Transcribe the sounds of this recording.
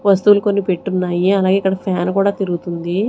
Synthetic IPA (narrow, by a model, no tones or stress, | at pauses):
ʋɐst̪uuluko̞nːipeʈːunːaːjiɐlaːɡe̞ːikːɐɽɐpʰaːnkuːɽaːt̪iɾuɡut̪und̪i